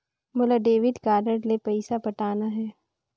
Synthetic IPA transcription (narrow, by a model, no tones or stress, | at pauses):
mʊlaɖeːʋɪɖ̪kaːɖəɖlepɐɪsabɐʈaːnaɦɛː